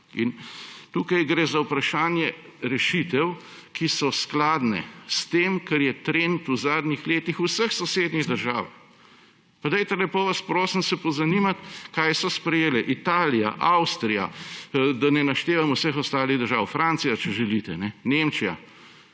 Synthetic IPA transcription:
ḭnt̪uːkɐjɡɾezawpɾaʃaːnjɛ | ɾɛʃit̪ɛw | kisɔsklaːd̪nɛ̰st̪eːmkɐɾjɛt̪ɾent̪uzaːd̪nixleːt̪ixusəxsɔseːd̪niɣd̪əɾʒaːw | pad̪ɛjt̪ɛlɛpoʋaspɾoːsimsɛpɔzɐnimat̪kaːjsɔspɾɛjeːlɛʔit̪aːlija̰ʔawst̪ɾija̰ | d̪anɛnaʃt̪eːʋamɔwsəxɔst̪aːliɣd̪əɾʒawfɾansijat͡ʃɛʒɛlit̪ɛnɛnemt͡ʃija̰

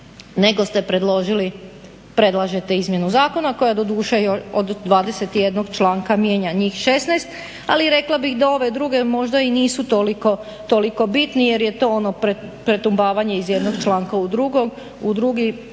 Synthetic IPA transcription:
ne̞ɡo̞st̪e̞pɾe̞d̪lo̞ʒili | pɾe̞d̪lˠaʒet̪e̞izmje̞nuzaːko̞nako̞jad̪o̞d̪uːʃejoʃod̪ːʋaːd̪ese̞t̪ije̞d̪noɡt͡ʃlˠaːŋkamjeɲaɲiːxʃe̞snajst̪ | aliɾe̞klˠabixd̪ao̞ʋe̞d̪ɾuɡe̞mo̞ʒd̪ainiːsut̪oliko̞ | t̪o̞liko̞bit̪nije̞ɾje̞t̪o̞ːono̞pɾepɾe̞t̪umbaːʋaɲe̞izje̞d̪no̞ɡt͡ʃlaːŋkaud̪ɾuɡo̞ɡ | ud̪ɾuɡi

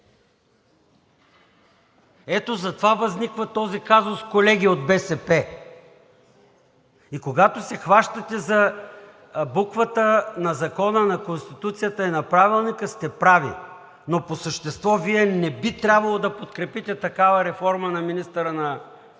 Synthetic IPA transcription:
ɛt̪ozɐt̪ovavɐznikvɐt̪ɔzikazoskolɛɡʲiod̪̚bɛsɛpɛ | ikoɡat̪osɛxvaʃt̪ɐt̪ɛzɐ | bukvət̪ənɐzɐkɔnənɐkonst̪it̪ut̪sijət̪əinɐpɾavilˠnikəst̪ɛpɾavḭ | noposəʃt̪ɛst̪vɔviɛnɛbit̪ɾʲabvɐlˠod̪ɐpot̪kɾɛpit̪ɛt̪ɐkavəɾɛfɔɾmənɐminist̪əɾənɐ

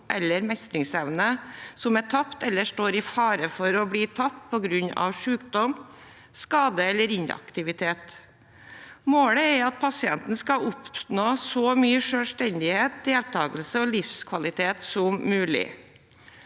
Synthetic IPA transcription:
ʔɛlːəɾmɛst̪ɾɪŋsɛʋnəsɔmæʈʰɑpt̪ɛlːəʂʈoːɾɪfɑːɾəfɔɾɔbɽiːt̪ʰɑp̚t̪̚pʰɔɡɾʉɲɑ̰ʋʂʉːkd̪ɔm | skɑːd̪əɛlːəɾɪnɑ̰kt̪ɪʋɪt̪ʰeːt̪ | moːɽəɛɾɑt̪̚pʰɑsɪɛnt̪n̩skɑʊpnoːsɔmyːəʂølʂʈɛnd̪ɪheːt̪̚d̪eːlt̪ʰɑːɡəlsəɔlɪfskʰʋɑlɪt̪ʰeːt̪sɔmːʉːlɪ̰

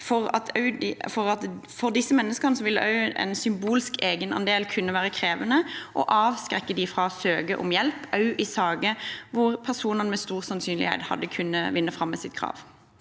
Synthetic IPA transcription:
fɔʁɑ̰t̪ʰɑʉd̪ɪfɔʁɑt̪fɔʁd̪ɪsːəmɛnːəskəʁnəsɔʋɪlːəʔɑʉɛ̰nsʏmbuːlskeːɡənɑ̰nd̪eːlkʰʉnːəʋæːɾəkʰɾeːʋənəʔɔ̰ʔɑːʋskʁɛkːəd̪ɪfʁɑsøːɡəʔʊ̰mjɛlpɑʉʔɪsɑːɡəʋʊʁpʰæʁsuːnənmɛst̪uːʁsɑnsyːnlɪ̰hɛ̰ɪt̪hɑ̰d̪ːəkʰʉnːəʋɪnːəfɾɑmːɛsɪt̪̚kʰʁɑ̰ːʋ

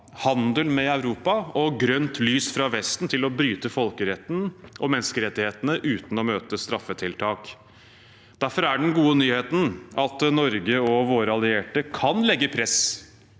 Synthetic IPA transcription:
hɑnd̪əlmɛɑʉɾuːpɑɔɡɾœnt̪ʰlyːsfɾɑʋɛst̪n̩t̪ʰɪlɔbɾyːt̪əfɔlkəɾɛt̪n̩ʔɔmɛnskəɾɛt̪ːɪheːt̪ənəʔʉːt̪n̩ɔmøːt̪əst̪ɾɑfːət̪ʰɪlt̪ʰɑːk | d̪̥æɾfɔɾæɖɛnɡuːənyːheːt̪n̩ɑt̪nɔɾɡəɔʋoːɾəɑlɪeːʈəkʰɑnlɛɡːəpʰɾɛs

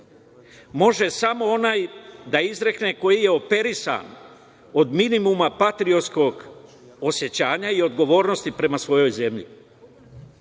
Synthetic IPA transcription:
mo̞ʒe̞samo̞o̞naːjd̪aizɾe̞kneko̞jije̞o̞pe̞ɾisa̰n | o̞d̪minimumapat̪ɾio̞t̪sko̞ɡ | o̞sje̞t͡ɕaːɲaio̞d̪ɡo̞ʋo̞ːɾno̞st̪ipɾe̞masʋo̞jo̞jze̞mʎḭ

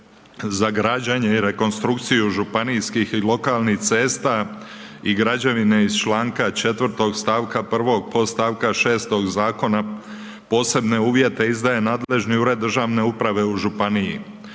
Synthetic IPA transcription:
zaɡɾad͡ʑaɲe̞iɾe̞ko̞nst̪ɾukt̪sijuʒupanijskixilo̞kaːlˠniht̪se̞ːst̪a | iɡɾad͡ʑaʋineiz̥t͡ʃlˠaːŋkat͡ʃe̞t̪ʋrɾt̪o̞ɡst̪aːʋkapr̩ʋo̞ɡ̚po̞st̪aːʋkaʃe̞ːst̪o̞ɡzaːko̞na | po̞ːse̞bne̞uːʋje̞t̪e̞izd̪aje̞naːd̪le̞ʒniuɾe̞d̪ːr̩ʒaːʋne̞upɾaʋe̞uʒupanijḭ

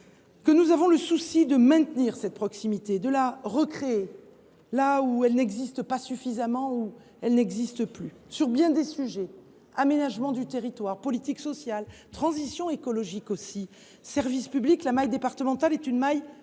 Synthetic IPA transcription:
kənuzavɔ̃ləsusid̪əmɛ̃t̪niʁsɛt̪̚pχɔksimit̪ed̪əlaʁəkχee | lauɛlnɛɡzist̪əpasyfizamɑ̃u | ɛlnɛɡzist̪əply | syʁbjɛ̃d̪esyʒɛ | amenaʒmɑ̃d̪yt̪eʁit̪waʁpɔlit̪iksɔsjalt̪χɑ̃zisjɔ̃ekɔlɔʒikosi | sɛʁvispybliklamajd̪epaʁt̪əmɑ̃t̪alɛt̪ynmaj

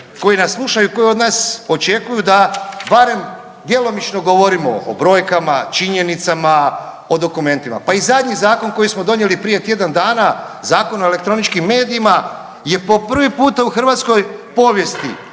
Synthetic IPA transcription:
ko̞jinaslˠuʃajuko̞jiod̪naːso̞t͡ʃe̞kujud̪abaɾe̞m | d̪je̞lo̞mit͡ʃno̞ɡo̞ʋo̞ɾimo̰o̰bɾo̞ːjkamat͡ʃiɲe̞nit̪sama | o̞d̪o̞kume̞nt̪ima̰paizad̪ɲizaːko̞nko̞jismod̪o̞ɲje̞lipɾije̞t̪je̞d̪and̪aːna | zaːko̞noele̞k̚t̪ɾo̞nit͡ʃkimːe̞ːd̪iima | je̞po̞pr̩ʋipuːt̪auxr̩ʋat̪sko̞jpo̞ːʋje̞st̪ḭ

